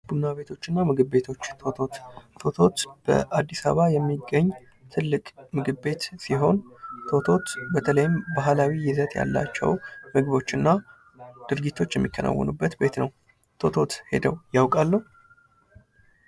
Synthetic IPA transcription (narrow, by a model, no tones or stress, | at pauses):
b̥unːaβe̞t̪ʰo̞t͡ʃːɨnːamɨɡɨbbe̞t̪ʰo̞t͡ʃːt̪ʰot̪ʰot̪t̪ʰo̞t̪ʰo̞t̪b̥ə̰ʔad̪ːisa̰βajɛmːiɡːəɲː | t̪ʰɨlːɨkʼmɨɡɨbbe̞t̪siɦo̞nt̪ʰo̞t̪ʰo̞t̪bət̪ʰələjɪmbaɦlawijɪzət̪ʼja̰lːa̰t͡ʃːɛ̰wmɨɡβo̞t͡ʃːɨnːa | d̪̥ɨɾɡit̪ʰːo̞t͡ʃːjɛmːikʰːənʔa̰wːə̰nubːət̪be̞t̪nəw | t̪ʰo̞t̪ʰo̞t̪he̞̰d̪əwjawkʼalːuh